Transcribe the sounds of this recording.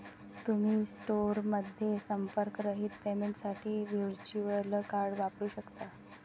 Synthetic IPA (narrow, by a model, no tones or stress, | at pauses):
t̪um̤iːsʈoɾməd̪ʱjesəmpəɾkɾəɦiːt̪pemeɳʈsaʈʰiːʋjiɽt͡ɕuəlkaɾɽʋapɾuːɕəkt̪a